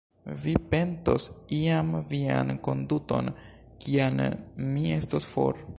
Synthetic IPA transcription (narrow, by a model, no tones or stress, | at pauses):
vipe̞nto̞siamvia̰nko̞nduto̞̰n | kʰianmie̞stosfo̰ɾ